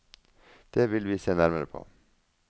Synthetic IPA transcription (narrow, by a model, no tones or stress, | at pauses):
d̪̥eːʋɪlʋiːseːnæɾməɾəpʰo̰ː